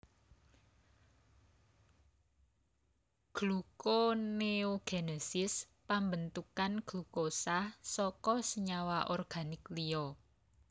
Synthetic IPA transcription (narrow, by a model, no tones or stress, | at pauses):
ɡ̥lukoneoɡ̥enesɪs | pambənt̪ukanɡ̥lukosahsɔkɔsəɲawaʔɔrɡ̥a̤nɪkliɔ